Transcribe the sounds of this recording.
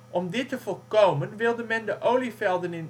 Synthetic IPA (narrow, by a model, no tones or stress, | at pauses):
ʔɔmdɪtəvɔlkowmənʋɪlˠdəmɛndəʔowlifɛlˠdənɪn